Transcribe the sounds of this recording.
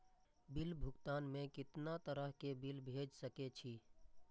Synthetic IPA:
bɪlbʱʊkt̪aːnmẽkɪt̪nat̪əɾəɦkebɪlbʱeːd͡ʒsəket͡ʃʰiː

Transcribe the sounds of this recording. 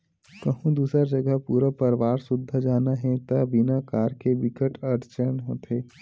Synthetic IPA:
kəɦũd̪uːsɾad͡ʒəɡəɦpuːɾəpəɾʋaːɾsʊd̪ʱːəd͡ʒaːnaɦɛ̃t̪əbinakaːɾkeʋɪkəʈəɾt͡ʃənɦõ̰ːt̪eː

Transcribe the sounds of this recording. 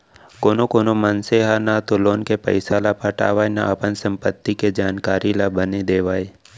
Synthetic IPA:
koːnokoːnomənseɦanat̪oloːnkepə̰ɪsalapəʈa̰ːʋaːjna̰ʔɐpənsə̃mpət̪ːiked͡ʒaːnkaːɾilabəned̪eːʋaːe

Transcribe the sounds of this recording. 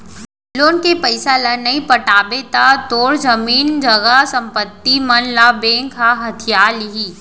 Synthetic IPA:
loːnkepəɪsalənɐĩpəʈaːbet̪at̪oːɽd͡ʒəmiːnd͡ʒɐɡasɐ̃mpət̪ːimɐnlabẽːŋkɦaɦɐt̪ʰijaːlɦiː

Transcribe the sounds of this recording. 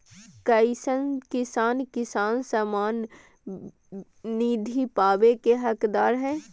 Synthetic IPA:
kəɪsənkɪsaːnkɪsaːnsamaːn | iːd̪ʱipaːbekeɦəkd̪aːɾɦɛ̃ː

